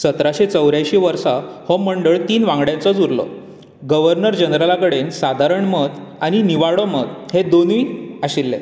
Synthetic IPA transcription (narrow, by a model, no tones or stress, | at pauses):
sət̪ɾaɕet͡səwɾjajɕiːʋəɾsahɔməɳɖəɭt̪iːnʋãŋɡɽjãnt͡sɔd͡zuɾlɔ̰ | ɡəʋəɾnəɾd͡ʑənɾalakəɽensad̪ʱaɾəɳməd̪aɽ̃iniʋaɭɔməd̪hed̪onʋiːaɕilːḛ